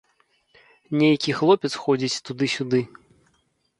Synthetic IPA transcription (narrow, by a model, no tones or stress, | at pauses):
nʲejakʲixlˠɔpʲɛt̪sxɔd͡zʲit͡sʲt̪ud̪ɨsʲud̪ɨ